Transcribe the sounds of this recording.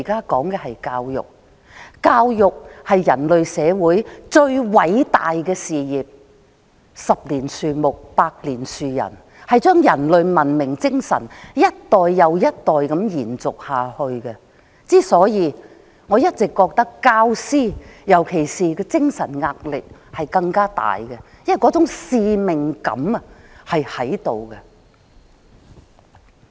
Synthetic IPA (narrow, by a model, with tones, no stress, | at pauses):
kaː˥kɔː˨˥ŋkɛ˧ɦɐ˨jkaː˧wjʊ̰˨k̚ | kaː˧wjʊ˨k̚hɐ˨jːɐ˨˩nlɵ˨ɥsɛː˨˧wuː˨˥jt͡ʃɵ˧ɥwɐ˨˥jt̪a̰ː˨jkɛː˧siː˨jiː˨p̚ | sɐ˨p̚liː˨˩nsyː˨˩mʊ˨k̚paː˧k̚liː˨˩nsyː˨˩jɐ̰˨˩n | hɐ˨jt͡ʃœː˥ŋjɐ˨˩nlɵ˨ɥmɐ˨˩nmɪ˨˩ŋt͡sɪ˥ŋsɐ̰˨˩njɐ˥t̚t̪ɔː˨jːɐ˨˧wjɐ˥t̚t̪ɔː˨jkɐ˨˥mjiː˨˩nt͡sʊ˨k̚haː˨˩hɵ˧ɥkɛ˧ | t͡siː˥sɔː˨˥jiː˨˧ | ŋɔː˨˧jɐ˥t̚t͡sɪ˨kːɔː˧k̚t̪ɐ˥kːaː˥wsiː˥jɐ˨˩wkʰe˨˩jsiː˨kɛː˧t͡sɪ˥ŋsɐ˨˩nŋaː˧k̚lɪ˨k̚hɐ˨jkɐ˧ŋkaː˥t̪a̰ː˨jkɛ˧jɐ˥wɐ˨jkɔː˨˥t͡sʊ˨˥ŋsiː˧mɪ˨ŋkɐ̰˨˧˥m˧hɐ˨jhɐ˨˥jt̪o˨wkɛ˧